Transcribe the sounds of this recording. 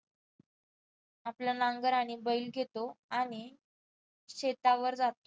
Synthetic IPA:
apljanaŋɡəɾaɽ̃ibəiːlɡʱet̪oaɽ̃i | ɕet̪aʋəɾd͡zat̪o

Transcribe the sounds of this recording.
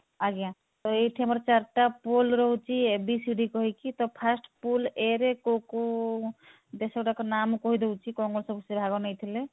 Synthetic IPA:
aɡijã | t̪ɔeʈʰeməɾt͡ʃaɾʈapolɾɔɦɔt͡ʃʰibisiɖikɔɦikit̪ɔpʰasʈpuleɾekoko | d̪esɔkʈakɔnamukɔɦid̪ewt͡ʃʰikɔŋɡɔnsɔbʱsebʱaɡɔnɛjt̪ʰile

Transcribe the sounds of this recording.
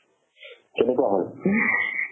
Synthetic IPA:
kenekuaɦɔl

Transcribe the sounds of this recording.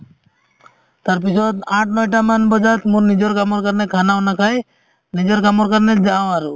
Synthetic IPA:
t̪aɾpisɔt̪ãʈnɔjʈamanbɔd͡ʒat̪muɾnid͡ʒɔɾkamɔɾkəɾnekʰanawnakʰaj | nid͡ʒɔɾkamɔɾkəɾnɛd͡ʒãaɾu

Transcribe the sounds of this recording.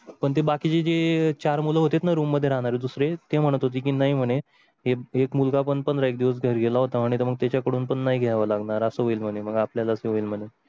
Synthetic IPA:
pəɳt̪̬ebakiːt͡ɕed͡ʑet͡ɕaɾmuləɦot̪et̪naɾumːəd̪ʱːjeɾaɦɽ̃aɾed̪usɾet̪em̤əɽ̃ət̪ɦot̪̬iːkiːnaɦim̤əɽ̃e | ɦeekmulɡapəɳpənd̪ɾaek̚d̪iʋəs̬ɡʱəɾɡʱelaɦot̪aːɽ̃it̪əɾməɡ̚t̪jat͡ɕjakəɽuːnpəɳːaɦiɡʱɛʋalaɡnaɾəsəːɦoiːlm̤ənem̤əɡapljalaəseɦoiːlm̤ənːe

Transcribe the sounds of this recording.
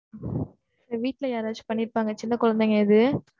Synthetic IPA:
ɐʋiːʈːɪlɐjaːɾaːt͡ʃɯ̥pɐɳːɪɾpaːŋɡɐt͡ʃɪnːɐkʊɻɐnd̪ɐŋɡɐɪðɯ

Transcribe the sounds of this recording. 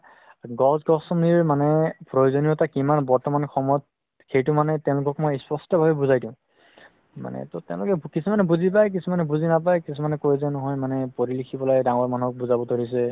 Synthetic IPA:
ɡɔzɡɔsɔmniɹmanɛpɹojozoniɔtakimanbɔɹtɔmanxɔmɔjɔt̚ | xejtʊmanɛtɛ̃ʊ̃lʊkɔkmɔjspɔstɔbʱabɛbuzajdʊ̃ʊ̃ | ma̰nɛ̰totɛ̃ʊ̃lʊkɛkisumanɛbuzipajk̬isʰumanɛbuzinapajkisʰumanɛkojzɛnɔɦɔjmanɛpoɹilixʰibɔlajdaŋɔɹmanuɦɔk̚buzabɔtoɹis̬ɛ

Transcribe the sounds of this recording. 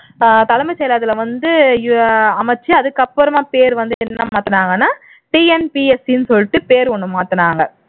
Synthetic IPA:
t̪ɐlɐmɐsɛjlaːðɪlɐʋɐnd̪ɯ | ɐmɐt͡ʃːɯɐðɯkːɐpːɯɾɐmaːpeːɾʋɐnd̪ɯɛnːɐmaːt̪ɯnaːŋɡɐnːaː | ʈiːɛnpiːɛsɪnɯsɔlːɪʈːɯpeːɾɔɳːɯ̃maːt̪ɯnaːŋɡɐ

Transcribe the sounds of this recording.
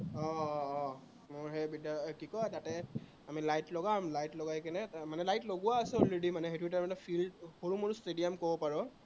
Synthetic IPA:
ɔː | mʊɹɦɛbidakikɔjtatɛ | amilajtlɔɡamlajtlɔɡajkɛnɛmanɛlajtloɡʊwaːsɛɔleɖimanɛɦetʰwitamɛnafʰildhoɹumoɹstedijamkɔbɔpaɹɔ

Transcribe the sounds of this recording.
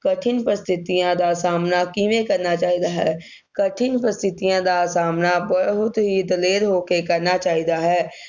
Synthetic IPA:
kɐʈʰɪnpɾəst̪ʰɪt̪ijãd̪asaːmnakiːmekɐɾnat͡ʃaːɦid̪aɦɛː | kɐʈʰɪnpɾəst̪ʰɪt̪ijãd̪asaːmnabəɦʊt̪ɦid̪əleːɾɦoːkekɐɾnat͡ʃaːɦid̪aɦɛː

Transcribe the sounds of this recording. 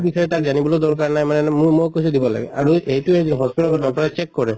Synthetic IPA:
bisʰɔjɛtak̚zanibɔlod̪ɔɹk̬aɹnajmanɛmumokos̬udibɔla̰ɡɛ̰a̰ɹueɦjtuezinɦɔspitalkɔdɔk̚tɔɹɛt͡ʃekːɔɹɛ

